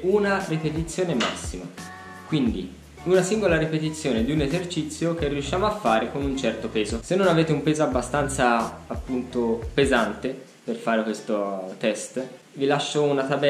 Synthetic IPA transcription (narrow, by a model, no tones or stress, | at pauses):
unaripet̪it̪sːjoːnema̰sːima̰ | kwind̪i | unasiŋɡolaɾipet̪it̪sːjoːned̪iunezert͡ʃit̪sːjok̟erːiuʃːjaːmoafːaːɾekonunt͡ʃɛrt̪opɛːzosenːonaveːt̪̬eumpeːzoabːast̪ant̪saːpːunt̪opezant̪e | perfaːɾekwest̪ot̪ɛst̪ | vilaʃːounat̪abɛ